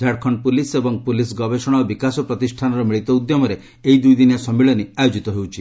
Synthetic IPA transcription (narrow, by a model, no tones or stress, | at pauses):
d̪ʱaɽkʰɔnpulisebɔŋpulis̬ɡɔbesɔɽ̃aobikasɔpɾɔt̪isʈʰanɔɾɔmiɭit̪ɔud̪jɔmɔɾe | ejd̪ujd̪injasɔmːiɭɔniajod͡ʒit̪ɔɦewt͡ʃʰi